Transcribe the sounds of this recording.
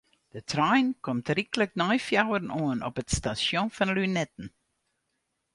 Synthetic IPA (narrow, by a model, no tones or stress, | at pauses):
d̥ətʰrajnkɔmtrikələknɔjfjawərnuənɔ̰pətstasjɔ̃nfɑnlynɛtən̩